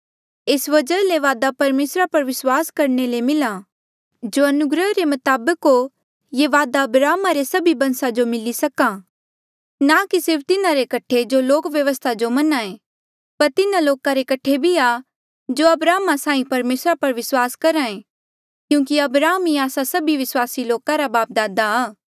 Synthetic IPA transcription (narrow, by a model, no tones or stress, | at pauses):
eːsʋɐd͡ʒəleʋaːd̪apɐɾmeːsɾapɐɾʋɪswaːskɐɾnelemɪlã | d͡ʒoɐnʊɡɾəɦɾemɐt̪aːbəkɦo | jeʋaːd̪aɐbɾaːmaɾesɐbibɐ̃nsad͡ʒomɪlisɐkã | nakisɪɾp̚ʰt̪ɪnaɾekɐʈʰed͡ʒoloːkʋjɐʋəst̪ʰad͡ʒomɐnaẽ | pɐɾt̪ɪnãloːkaɾekɐʈʰːebʱia | d͡ʒoɐbɾaːmasãːĩpɐɾmeːsɾapɐɾʋɪswaːskɐɾãẽ | kjũːkiɐbɾaːmiaːsasɐbiʋɪswaːsiloːkaɾabaːp̚d̪aːd̪aaː